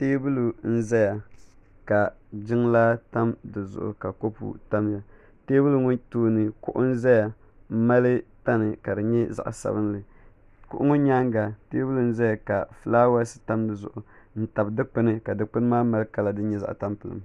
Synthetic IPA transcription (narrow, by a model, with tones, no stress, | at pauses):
teː˦bu˦lu˨n̩˦za˦ja˨ | ka˨d͡ʒɪ˦ŋla˦ta˦mdɨ˨zʊ̰˨ʔʊ̰˨ka˨ko˦pṵ˨ta˦mja˨ | teː˦bu˦lu˦ŋʊ˦tuː˦nɨ˨kʊ̰˦ʔʊ˦n̩˦za˦ja˨˦ | ma˦lɨ˦ta˦nɨ˨ka˨dɨ˨ɲɛ˦za̰˨ʔsa̰˦bɨ˦n˦lɨ˨ | kʊ̰˦ʔʊ˦ŋʊ˦ɲa˦ŋɡa˨teː˦bu˦lu˨n̩˦za˦ja˨ka˨fɨ˨˦laː˦wa˦sɨ̥˦ta˦mdɨ˨zʊ̰˨ʔʊ˨ | n̩˦ta˨bdɨ˦k͡pɨ˦nɨ˦ka˨dɨ˨k͡pɨ˦n˦maː˦ma˦lɨ˦ka˨la˨dɨ˦ɲɛ˦za̰˨ʔta˦mpɨ˨lɨ̰˨m